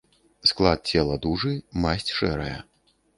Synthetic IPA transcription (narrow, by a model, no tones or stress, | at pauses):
sklˠat̪̚t͡sʲɛlˠɐd̪uʐɨmasʲt͡sʲʂɛɾɐjɐ